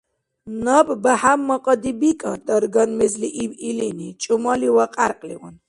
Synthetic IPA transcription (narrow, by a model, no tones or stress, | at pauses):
nɔbbahamːɔqʼɔd̪ibikʼɔd̪ɔɾɡɔnmɛzliʔibilinit͡ʃʼumɔliwaqʼaɾqʼlḭʁun